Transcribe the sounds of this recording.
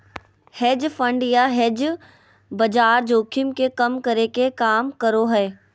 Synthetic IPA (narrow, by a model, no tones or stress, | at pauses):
heːd͡ʒfə̃ɳɖjaɦed͡ʒ | bɐd͡ʒaːɾd͡ʒoːkʰɪmkekɐmkɐɾekekaːmkəɾoɦɛː